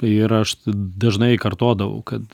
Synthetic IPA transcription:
ɪɾɐʃd̪ɐʒnɐɪkɐɾt̪oːd̪ɐʋɐ̰ʊkɐt̪

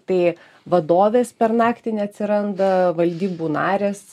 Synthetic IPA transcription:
t̪ɐɪ | ʋɐd̪oːʋʲeːspʲɛɾnɑːkt̪ʲɪnʲɛɐt̪ʲsʲɪɾɐnd̪ɐʋɐlʲd̪ʲiːbuːnɑːɾʲeːs

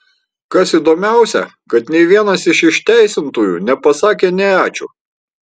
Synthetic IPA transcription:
kɐsid̪oːmʲæˑʊsʲɛ̰ | kɐt̪nʲɛɪʋʲiɛnɐsɪʃɪʃʲt̪ʲæˑɪsʲɪnt̪uːjṵːnʲɛpɐsɑːkʲeːnʲɛæːt͡ʃʲṵː

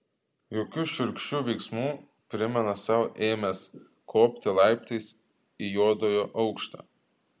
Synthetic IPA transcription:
joːkʲuːʃʲʊɾʲkʲʃʲt͡ʃʲuːʋʲɛɪksmuː | pʲɾʲɪmʲɛnɐsɑʊʔeːmʲes | kʰoːpʲt̪ʲɪlˠɑˑɪpʲt̪ʲɐɪs | ijoːd̪oːjoːʔɒʊkʃt̪ɑ̰ː

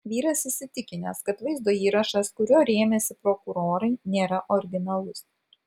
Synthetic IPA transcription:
ʋʲiːɾɐsɪsʲɪt̪ʲɪkʲɪnʲɛskɐt̪ʋɐɪzd̪oːiːɾɐʃɐskʊɾʲoːɾʲeːmʲɛsʲɪpɾɔkʊɾoːɾɐɪnʲeːɾɐʔɔɾʲɡʲɪnɐlˠʊs

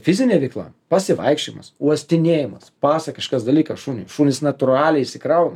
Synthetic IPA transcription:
fʲɪzʲɪnʲeːʋʲɛɪklˠɐ̰pɐsʲɪʋɐ̰ɪkʃʲt͡ʃʲɪmɐ̰suɔsʲt̪ʲɪnʲeːjɪmɐspɑːsɐkɐʃkɐsd̪ɐlʲiːkɐʃuːnʲʊ̰ʃuːnʲɪsnɐt̪ʊɾɑːlʲɛɪʃʲsʲɪkɾɐʊnɐ

